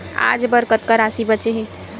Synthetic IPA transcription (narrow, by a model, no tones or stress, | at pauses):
a̰ːd͡ʒbəɾkət̪kaɾaːsibət͡ʃeɦẽː